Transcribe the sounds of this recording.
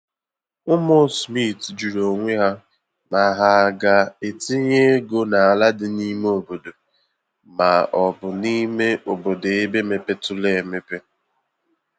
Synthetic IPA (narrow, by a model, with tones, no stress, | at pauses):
ʊ˦mo˦smi˦˨td͡ʒu˨ɾo˨ŋʷe˦ɦa˦ | ma˨ɦa˨ɡa˨e˨ti˦ɲe˦ɡo˦na˨a˨la˦dɪ˨ni˦m˦o˨bo˨do˨ | ma˨ɔ˨bʊ˨ni˦me˦ʔo˨bo˨de˨e˦be˦me˨pe˦tʊ˦le˦˨me˦pe˦